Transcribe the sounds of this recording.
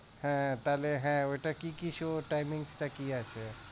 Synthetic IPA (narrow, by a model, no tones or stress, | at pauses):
hɛ̃t̪aleɦɛ̃oʈakikiʃoʈaɪmɪ̃ŋɡsʈakiat͡ʃʰe